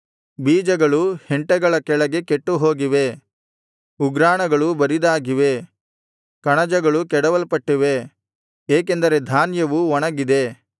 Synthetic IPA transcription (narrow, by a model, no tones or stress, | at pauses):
biːd͡ʒɐɡɐɭuheɳʈɛɡɐɭɐkɛɭɐɡe̞keʈːuɦo̞ːɡiʋe̞ | uɡɾaːɳɐɡɐɭubɐɾid̪aːɡiʋe̞ | kɐɳɐd͡ʒɐɡɐɭukɛɽɐʋɐlpɐʈːiʋe̞ | eːk̬e̞nd̪ɐɾe̞d̪ʱaːnjɐʋuɔɳɐɡid̪e̞